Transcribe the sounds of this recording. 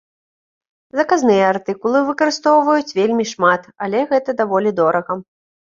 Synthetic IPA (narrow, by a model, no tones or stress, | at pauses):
zɐkaznɨjɐart̪ɨkulˠɨvɨkɐɾɨst̪ɔwvɐjut͡sʲvʲelʲmʲiʂmat̪alʲɛɣɛt̪ɐd̪avɔlʲid̪ɔɾɐɣɐ